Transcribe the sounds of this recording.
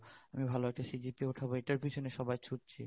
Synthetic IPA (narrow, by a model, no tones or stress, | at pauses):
amibʱaloɛk̚ʈasid͡ʑipiuʈʰaboeʈaɾpiʃʰoneʃɔbajt͡ɕʰuʈ̚t͡ɕʰḭ